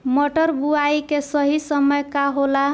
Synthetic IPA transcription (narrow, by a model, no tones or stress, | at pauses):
moʈəɾbuajkesʌɦisəməjkaɦola